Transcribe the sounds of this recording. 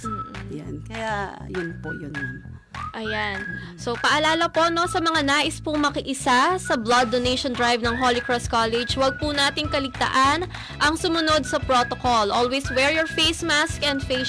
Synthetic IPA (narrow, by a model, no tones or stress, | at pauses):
jankɐjajʊnpo̰jʊnn | ʔɐjan | so̞pɐʔɐlaːlɐpo̞ʔno̞sɐmɐŋanaːʔɪspʊmɐkɐʔɪsasɐblɐd̪ːonejʃond̪ɹajvnɐŋɦolɪkɹɔst̪̚kalɛd͡ʒwɐɡ̚punaːt̪ɪŋkɐlɪɡ̚t̪ɐ̰ʔan | ʔɐŋsʊmʊnod̪̚sɐpɾoːt̪okolʔolweswɛɹjoɹfejsmaskɛ̃nd̪fe